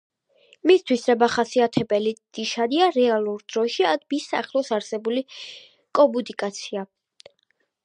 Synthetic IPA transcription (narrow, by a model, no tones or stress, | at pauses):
mist̪ʰwiszɛbaχasiat̪ʰɛbɛlid̪̥iʃad̪iaɾɛalˠuɾd̪̥ɾɔʃiad̪bisa̰χlˠɔsaɾsɛbuli | kʼɔbud̪ikʼat̪sʰia